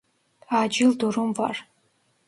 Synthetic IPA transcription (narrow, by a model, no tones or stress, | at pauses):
aːd͡ʒɪlduɾumva̰r